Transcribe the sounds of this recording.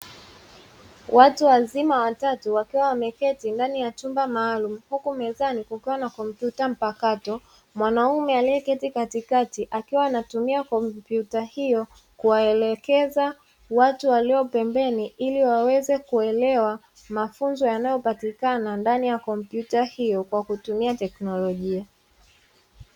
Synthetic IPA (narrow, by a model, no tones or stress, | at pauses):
wʔatuwazimawatatuwakiwawamɛkɛtindanijatumbamaːlum̩hukumɛzanikukiwanakɔm̩pjutam̩pakatɔ | mwanaumɛaliɛkɛtikatikatiʔakiwaːnatumiakɔmpjutahijɔ | kuwaɛlɛkɛza | watuwaliɔpɛmbɛniiliwawɛzɛkuɛlɛwa | mafunzɔjanajɔpatikanandanijakɔmpjutahijɔkwakutumiatɛknɔlɔʄia